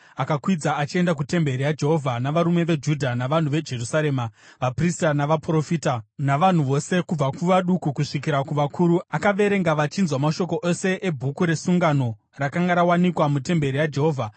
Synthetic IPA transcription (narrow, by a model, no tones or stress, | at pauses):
akakwid͡zaːt͡ʃie̞ndak̬ute̞mbe̞ɾijad͡ʒe̞ɦo̞vʱanaʋaɾume̞ʋe̞d͡ʒudʱanaʋan̤uʋe̞d͡ʒe̞rusaɾe̞ːmaʋapristanaʋapro̞fiːtanaʋan̤uʋo̞se̞kub͡vakuʋaɗukukuʂikiɾakuʋakʰuːɾuakaʋe̞ɾe̞ŋɡaʋat͡ʃinzwamaʃo̞ko̞ʔose̞ʔebʱukuɾe̞suŋɡano̞ | rakaŋɡaɾawanikwamute̞mbe̞ɾijad͡ʒe̞ɦo̞ːvʱa